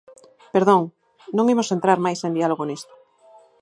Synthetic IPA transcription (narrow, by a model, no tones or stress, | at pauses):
peɾðõŋ | nõŋimosent̪ɾaɾmajsẽnd̪ialoɣonist̪o̥